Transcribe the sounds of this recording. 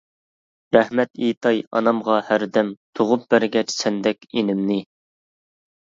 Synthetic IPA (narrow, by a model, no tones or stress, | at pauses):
ɾɛhmɛt̪it̪ʰɑjɑ̰nɑmʁɑhæɾd̪ɛmt̪ʰoʁʊp̚b̥æɾɡʲɛt͡ʃsɛnd̪ɛkʲenɪmnɪ